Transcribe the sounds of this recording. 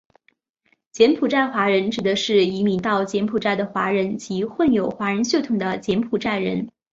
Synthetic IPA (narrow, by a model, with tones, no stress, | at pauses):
t͡ɕjɛ˧˥npʰu˨˩ʈ͡ʂa˥˩ɪxwa˧˥ɻə˧˥nʈ͡ʂɻ̩˨˩d̪ə˦ʂɻ̩˥˩i˧˥mi˧˩t̪ɑ˥˩ʊt͡ɕjɛ˧˥npʰu˨˩ʈ͡ʂa˥˩ɪd̪ə˩xwa˧˥ɻə˧˥nt͡ɕi˧˥xwə˥˩njo˨˩ʊxwa˧˥ɻə˧˥nɕjo˥˩ʊt̪ʰʊ˨˩ŋd̪ə˦t͡ɕjɛ˧˥npʰu˨˩ʈ͡ʂa˥˩ɪɻə˧˥n